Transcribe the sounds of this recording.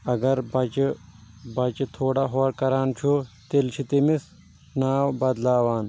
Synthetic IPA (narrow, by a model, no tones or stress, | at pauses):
ɐɡɐɾbɐd͡ʒ | bɐt͡ʃt̪ʰoːɽaɦoːɽkɐɾaːnt͡ʃʰut̪elt͡ʃʰit̪imis | naːwbɐd̪laːʋaːn